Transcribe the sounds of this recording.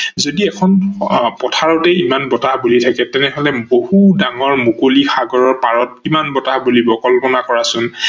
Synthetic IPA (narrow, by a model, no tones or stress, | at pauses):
zodiɛkʰɔnpɔtʰaɹɔtɛimanbɔtahbulitʰakɛtɛnɛɦɔlɛbohudaŋɔɹmukolixaɡɔɹɔɹpaɹɔt̚kimanbɔtahbulibɔkɔlpɔnakɔɹasʊn